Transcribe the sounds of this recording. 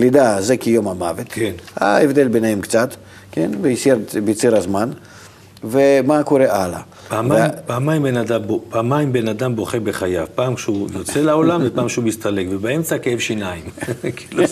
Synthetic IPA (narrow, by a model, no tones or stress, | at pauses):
lid̪azekʲejo̞mamavet̪na̰evd̪e̞lʲbenaemk̪t͡sat̪ | kʲenbejsjeɾb̪t͡siɾazman | vemakoɾeʔalɐ̰ | paːmavmpaːmajimbenad̪ambopaːmajimbenad̪ambo̞χebeχajavpaːmkʃeujot͡selao̞lamzepaːmkʃeumist̪alekvebaemt͡sakeevʃinaimkilu